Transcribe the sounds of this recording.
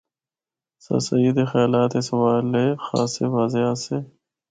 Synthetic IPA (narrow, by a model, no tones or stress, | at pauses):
sɐ̰sɐid̪exjaːlaːt̪esɐwaːlexa̰ːseʋaːzease